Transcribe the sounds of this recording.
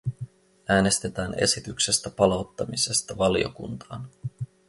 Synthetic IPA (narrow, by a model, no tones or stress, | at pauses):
æːne̞st̪e̞t̪æːne̞̰sit̪ykse̞st̪æpɑlɑwt̪ːɑmise̞st̪ɑʋɑlijo̞̰kṵnt̪ɑːn